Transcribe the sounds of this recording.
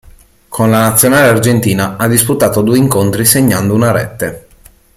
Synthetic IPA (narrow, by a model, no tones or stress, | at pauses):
kʰonlanat̪sːjonaːleard͡ʒent̪iːnaad̪ːisput̪aːt̪od̪uːeiŋkont̪ɾiseɲːand̪ounaɾɛ̰t̪ːe